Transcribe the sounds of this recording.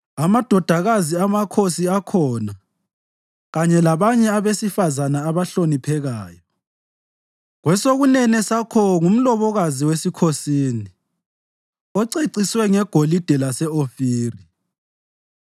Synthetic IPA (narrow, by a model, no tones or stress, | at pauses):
amad̥ʱɔd̥ʱaɣaziamakʰosiakʰɔna | ɣaɲɛlaβaɲɛaβesifazanaːβaɬonipʰɛɣaːjɔ | ɣwɛsoɣunɛnɛsakʰɔŋum̩lɔβɔɣaziwesikʰosiːni | ɔǀeǀiswɛŋɛɡ̥ʱolid̥ʱɛlasɛofiːri